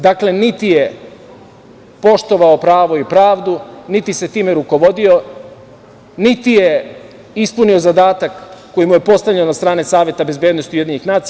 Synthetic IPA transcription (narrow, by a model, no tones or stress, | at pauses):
d̪akle̞nit̪ije̞ | po̞ʃt̪o̞ʋaopɾaːʋo̞ipɾaːʋd̪unit̪ise̞t̪iːmeɾuko̞ʋo̞d̪io̞ | nit̪ije | ispunio̞zad̪aːt̪akː | o̞jimuje̞po̞st̪avlʎennast̪ɾaːne̞saːʋjet̪abe̞zbjeːd̪no̞st̪ioje̞d̪iɲnixnaːt̪